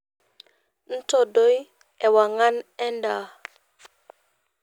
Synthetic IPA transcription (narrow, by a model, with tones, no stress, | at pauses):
n̩˦to˨do˦j | ɛ˨wa˨ŋa˦nɛ˦nda˨